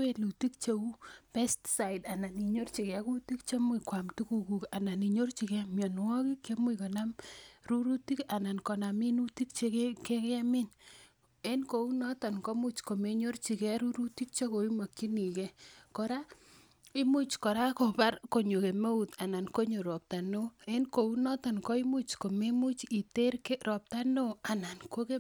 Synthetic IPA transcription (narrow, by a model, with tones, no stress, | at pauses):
we˦lu˨ti˦kt͡ʃe˦u˦pɛ˦stsa˨i˨da˨na˨ni˨ɲo˦rt͡ʃi˨kɛ˨ku˦ti˦kt͡ʃe˦mi˨kwa˨mtu˦ku˦ku˨ka˨na˨ni˨ɲo˦rt͡ʃi˨kɛ˦mjɔ˨nwɔ˦ki˦kːe˦mwi˨ko˨na˦mɾu˦ɾu˦ti˦ka˨na˨nkɔ˨na˨mi˦nu˦ti˦k̚t͡ʃe˦kke˦kɛ˦mɪ˦n | e˦nko˨u˦nɔ˦tɔ˨nko˦mu˦t͡ʃko˨me˨ɲo˦rt͡ʃi˨kɛ˦ɾu˦ɾu˦ti˦k̚t͡ʃo˦ko˨i˦ma˨kːi˦ni˨ke˦kɔ˨ɾa˦ | i˦mu˦t͡ʃko˨ɾa˦ko˨pa˦ɾko˨ɲo˨ke˨me˦u˨t̪a˨na˨nko˦ɲo˨ɾɔ˨p̚ta˨no˦e˦nko˨u˦nɔ˦tɔ˨nkɔ˦i˦mu˦t͡ʃko˨me˦mu˦t͡ʃi˨te˦ɾke˦ɾɔ˨p̚ta˦no˦a˨na˨nko˦ke˦